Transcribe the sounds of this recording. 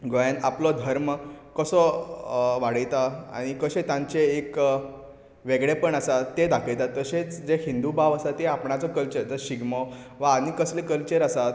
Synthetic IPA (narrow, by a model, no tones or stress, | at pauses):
ɡojanaplɔd̪ʱəɾmkəsɔ | ʋaɽəjt̪aa̰ɽ̃ikəɕẽt̪ãɲt͡ɕeːk | ʋeɡɭepəɳasat̪ːed̪akʰejt̪at̪ːəɕet͡sd͡zeɦĩnd̪ubaʋəsat̪ːeapɳat͡sɔkəlt͡ɕəɾt̪əɕiɡmɔ | ʋaːniːkəslekəlt͡ɕeɾasat̪